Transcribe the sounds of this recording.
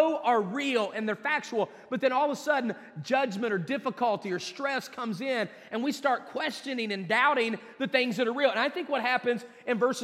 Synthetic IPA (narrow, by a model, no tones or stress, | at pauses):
ʊə˞ɹilˠɨ̃nðə˞fæk̚t͡ʃul̩ˠ | b̥ʌt̪̚ðɨ̃ñɔlˠðəsʌdⁿn̩ | d͡ʒʌd͡ʒmɨ̃ɾ̃ə˞dɪfəkʰəlˠtiə˞stɹ̥ɛskʰʌ̃mzɪ̃n | ɨ̃nwistɑɹt̚kʰw̥ɛst͡ʃɨnɪ̃ŋɨ̃ndaʊɾɪ̃ŋ | ðɨθɪ̃ŋzðɨɾə˞ɹil̩ˠɨ̃naɪθɪ̃ŋkwʌt̚hæpɨ̃nz | ɨ̃nvɜ˞sɨ